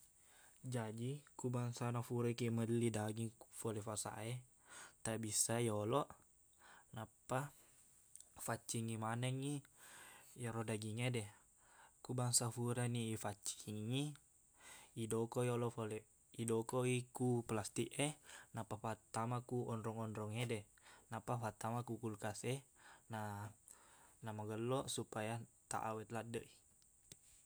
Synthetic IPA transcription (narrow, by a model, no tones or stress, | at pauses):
d͡ʒad͡ʒikubaŋsanafuɾakimədəlidaɡiŋfolɛfasa̰ʔe | t̪abisaiɔlɔʔ | napːa | fat͡ʃːiŋimanɛŋi | joɾodaɡiŋedɛ | kubaŋsafuɾaniːfat͡ʃiŋːi | idɔkɔiɔlɔfolɛ | idɔkɔikuplast̪iʔenapafat̪ːamakuɔnɾɔŋɔnɾɔŋedɛ | napafat̪ːamakukulkasena | namaɡəlːɔsupajat̪a̰ʔa̰wɛt̪ladːəʔi